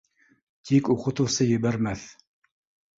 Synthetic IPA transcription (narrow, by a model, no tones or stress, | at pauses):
t̪ʰikuqɤ̆t̪ɤ̆wsɤjɘ̆βæɾmæθ